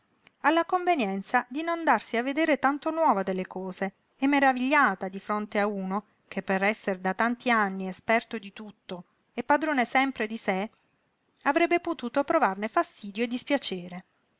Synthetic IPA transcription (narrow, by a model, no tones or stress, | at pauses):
alːakoɱvenjɛnt̪sad̪inond̪arsiavːed̪eːɾet̪ant̪onwɔːvad̪elːekɔːze | ɛmːeɾaviʎːaːt̪ad̪ifɾont̪eauːno | kepːeɾɛsːeɾed̪at̪ant̪ianːiespɛrt̪od̪it̪ut̪ːo | epːad̪ɾoːnesɛmpɾed̪ise | avɾɛbːepot̪uːt̪opɾovarnefast̪iːd̪joed̪ːispjat͡ʃeːɾe